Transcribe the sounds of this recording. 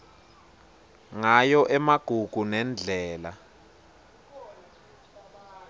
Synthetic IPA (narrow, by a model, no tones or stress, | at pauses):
ŋajɔʔɛmaɡ̥ʱuɡ̥ʱunɛnd͡ɮʱɛːla